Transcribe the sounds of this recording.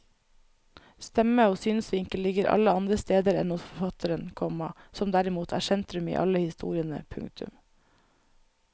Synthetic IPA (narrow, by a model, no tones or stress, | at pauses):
st̪ɛməoːsyːnsʋɪŋkəllɪɡəɾʔɑ̰ləɑnd̪ɾəst̪eːd̪əɾɛ̰nʊsfɔɹfɑt̪ʰəɾənkʰɔmɑsɔmd̪æɾɪmuːt̪ʰæ̰ːsɛnt̪ɾʉmḭːʔɑ̰ləhɪst̪ṵːɾɪənə̰pʰʉ̰ŋkt̪ʰʉ̰m